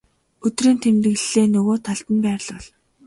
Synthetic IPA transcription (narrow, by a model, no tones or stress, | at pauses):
ɵt̪riːnt̪ʰemt̪ɘ̆ɣ̆ɮːeːnɵɣoːt̪ʰaɮt̪ə̆mpæːr̆ɮɔɮ